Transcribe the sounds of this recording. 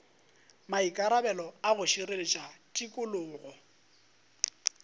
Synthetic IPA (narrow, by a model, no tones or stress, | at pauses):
maikʼaɾabɛlɔaɣʊʃirelɪt͡ʃʼatʼikʼʊlʊːɣɔ